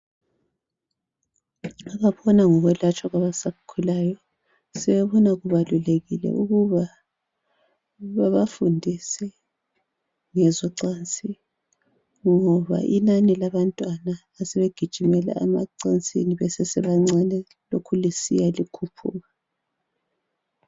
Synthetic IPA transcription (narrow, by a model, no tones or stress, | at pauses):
aβaβɔnaŋɔɣwɛlat͡ʃʰʼwaɣaβasakʰulajɔ | sɛβɛβɔnaɣuβaluleɣilɛ̰ʔuɣuβa | βaβafundʱisɛ | ŋɛzɔǀant͡sʼi | ŋɔβa̰ʔinanilaβantʼwanaːsɛβeɡ̥ʱid̥ʒ̥ʱimɛla̰amaǀant͡sʼḭniβɛsɛsɛβaŋ͡ǀanɛ | lokʰulisijalikʰupʰṵːɣa